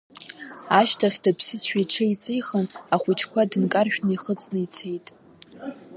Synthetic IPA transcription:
aʃtʰaχʲdapʰsɨsʃᶣajʈ͡ʂʰait͡sʼɨjχənaχʷʊt͡ʃʰkʷʰadɨnkʼarʃᶣnɨiχət͡sʼnɨit͡sʰejtʼ

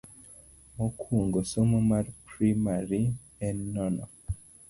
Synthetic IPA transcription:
mokʰuːŋɡosomomaɾpɾimaɾi | ɛnːɔnɔ̰

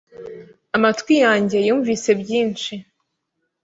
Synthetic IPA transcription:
amatwijaːɲɟe̞juːɱviːse̞bɟiːnt͡ʃi

